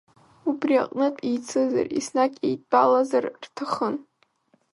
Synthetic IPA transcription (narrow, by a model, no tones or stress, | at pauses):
ubriaqʼnɨtʼijt͡sʰɨza̰rḭsnakʼḛjtʼb̥alazarrtʰaχən